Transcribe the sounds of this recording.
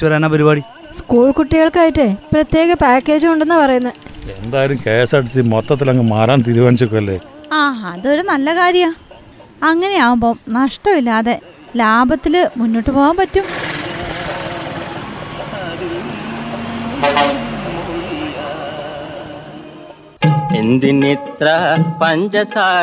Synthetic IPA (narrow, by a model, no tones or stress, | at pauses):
t͡ɕːuʋɐɾanapɐɾibaːɽi | skuːɭkuʈːiɣɐɭkaːjiʈːɨprɐt̪je̞ːɣɐpaːkːe̞ːd͡ʑumuɳɖenːɨpɐrɐjunːɐðe̞nd̪aːɐɾumkeːsaʈisimot̪ːɐt̪ːilɐŋːɨmaːɾaːnt̪iɾubaːnit͡ɕːuk̬ːumɐlːḛː | aːɦaɐðo̞ɾunɐlːɐkaːɾjɐmaː | ɐŋːɐne̞aːʋumbo̞ːmnɐʂʈɐmilːaːðe̞ | laːbʱɐt̪ːilɨmunːoʈːɨpoːɣaːmpɐtːum | end̪init̪rɐpɐɲd͡ʑɐsaː